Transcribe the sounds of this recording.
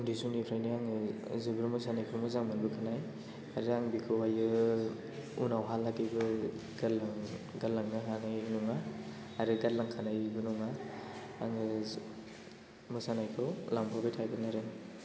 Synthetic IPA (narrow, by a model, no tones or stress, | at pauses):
kɔndisunipʰɾajniaŋɯzɯbɯɾmusanajkʰɯmuzaŋmanbɯkʰanaj | aɾɯaŋbikʰowajɯ | unawɦalːaɡibɯ | ɡaŋɡalːaŋnɯɦaŋajnɔŋa | aɾɯɡatlaŋkʰanajbɯnɔŋaː | ŋɯ | mɔsanajkʰɯwlaŋbʰɔbetʰajbɯnaɾɯŋ